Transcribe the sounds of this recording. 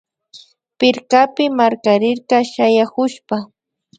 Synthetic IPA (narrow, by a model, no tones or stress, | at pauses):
pɪɾkapɪmaɾkaɾɪɾkɑʃajakʊʃpa